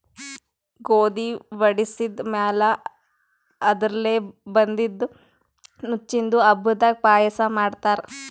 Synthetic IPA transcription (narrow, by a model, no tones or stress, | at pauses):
ɡoːd̪iʋɐɽisid̪mɛːlɐ | ɐd̪ɾɐleːbɐnd̪id̪ːu | nut͡ʃːind̪uɐbud̪aːɡ̚paːjɐsɐmaːɖt̪aːɾ